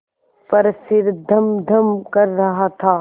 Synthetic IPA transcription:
pɐɾsɪɾd̪ʱəmd̪ʱəmkɐɾːɐɦat̪ʰaː

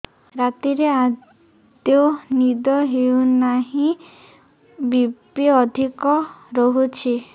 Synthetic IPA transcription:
ɾat̪iɾea | d̪enid̪ɔɦeunaɦĩ | bipiɔd̪ʱikɔɾɔɦut͡ʃʰi

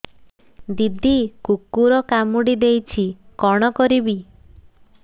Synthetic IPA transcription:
d̪id̪ʱikukːuɾɔkamuɽid̪ejt͡ʃʰikɔɽ̃ɔkɔɾibi

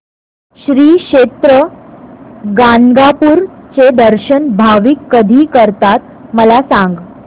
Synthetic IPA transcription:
ɕɾiːɕʂet̪ɾə | ɡaŋɡapuːɾt͡sed̪əɾɕənbʱaʋikːəd̪ʱiːkəɾt̪at̪̚ | məlasãŋɡ

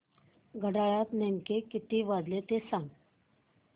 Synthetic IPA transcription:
ɡʱəɽajat̪neŋkekit̪iːʋad̪let̪esãŋɡ

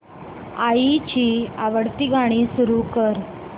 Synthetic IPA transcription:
ait͡ɕiːaʋəɽt̪iɡʱaɽ̃iːsuɾukəɾ

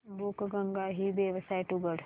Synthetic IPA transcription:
bukɡɐŋɡaɦibeʋəsajʈuɡəɽ

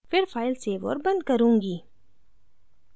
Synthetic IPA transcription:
fɪɾfaːɪlseʋo̰ːɾbɐ̃nd̪̚kɐɾũːŋɡiː

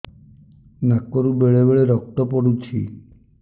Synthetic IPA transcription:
nakɔɾubeɭebeɭeɾɔk̚ʈɔpɔɽut͡ʃʰḭ

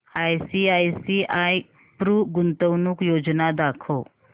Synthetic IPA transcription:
ajsiajsiʔaj | pɾuːɡunt̪əwnuːkjod͡ʑnad̪akʰo

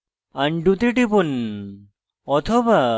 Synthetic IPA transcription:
ɐɳɖut̪iʈipun | ɔt̪ʰoba

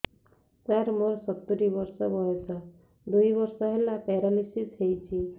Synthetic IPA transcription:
t̪aɾmoɾsɔt̪ːuɾibɔɾsɔbɔɦesʰɔ | d̪ujbɔɾsɔɦelapɛɾalisisɦejt͡ʃʰi

